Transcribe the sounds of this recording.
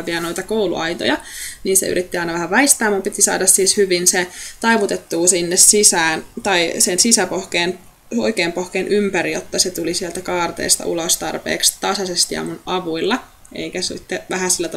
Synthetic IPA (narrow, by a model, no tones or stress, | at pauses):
ʋiɑno̞it̪ɑkoulṵɑjt̪o̰jɑniːnsḛy̰ɾit̪ːiɑinɑʋæhæʋɑist̪æːmɑmpit̪isɑ̰ːdɑssiːshyʋinset̪ɑiʋut̪et̪ːuːsinːessisæːnt̪ɑisensisæpohkeːn | o̰ikeːmpohkeːnʔympæɾijo̰t̪ːɑset̪ulisiɛelt̪ækɑːrt̪ḛːst̪ɑ̰ʔṵlost̪ɑ̰rpḛːkst̪ɑsɑsest̪iɑ̰munʔɑʋuilːɑ | ḛikæsḭt̪ːeʋæhæsilːæt̪